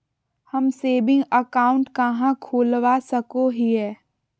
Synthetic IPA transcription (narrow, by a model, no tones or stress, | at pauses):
hɐmseːbɪ̃ŋɡəkaːʊ̃ɳʈkɐɦãkʰoːlʋasəkoɦiɦɛː